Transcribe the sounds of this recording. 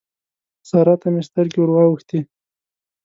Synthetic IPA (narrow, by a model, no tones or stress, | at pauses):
sɑɾat̪amest̪aɾkiwʊɾwɑwəxt̪i